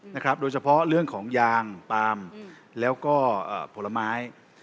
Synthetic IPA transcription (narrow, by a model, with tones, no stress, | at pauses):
na˦˥kʰɾa˦˥p̚doː˧jt͡ɕʰa˧pʰɔ˦˥ɾɯ˥˩əŋkʰɔː˩˦ŋjaː˧ŋt̪aː˧m | lɛː˦˥wkɔː˥˩ʔə̰ː˨˩pʰo˩˦lːa˧maː˦˥j